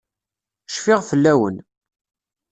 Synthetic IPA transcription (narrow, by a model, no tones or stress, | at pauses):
ʃfɪʁfəlːæwən